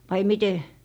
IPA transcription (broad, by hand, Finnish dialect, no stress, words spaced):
ʋɑi mite